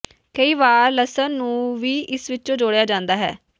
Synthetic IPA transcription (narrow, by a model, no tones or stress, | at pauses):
kəiːbaːɾləsənːũːʋiːʔɪsʋɪt͡ʃːd͡ʒoːɽejaːd͡ʒãːnd̪aːɦɛ̰ː